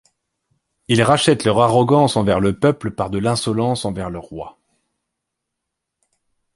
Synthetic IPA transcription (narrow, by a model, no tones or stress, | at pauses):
ilʁaʃɛt̪lœʁaʁɔɡɑ̃sɑ̃vɛʁləpœpləpaʁd̪əlɛ̃sɔlɑ̃sɑ̃vɛʁləʁwa̰